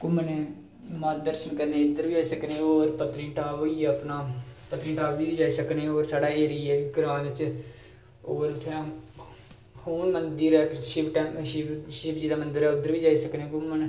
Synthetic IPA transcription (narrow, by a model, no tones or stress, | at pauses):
kʊmːəneː | maːt̪̚d̪əɾʃənkəɾnẽːɪd̪əɾʋiːd͡ʒaːisəkneːoːɾpət̪ɾiːʈaːʋoiːəpnaːpət̪ɾiːʈaːʋʋiːiːd͡ʒaːiːsəknẽːoːɾsaːɖaːeːɾiːɛːɡɾãːnɪt͡ʃ | oːɾʊt̪ʰːeã | hoːnmənd̪iɾɛːʃɪpʈɛːʃʃɪpd͡ʒiːd̪aːmənd̪əɾɛːʊd̪ːəɾʋiːd͡ʒaːiːsəknẽːkʊmːən